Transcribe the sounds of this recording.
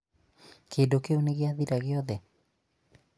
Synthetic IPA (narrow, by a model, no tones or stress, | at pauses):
kʰeːndokeoneɣeaðiɾaɣeɔðɛ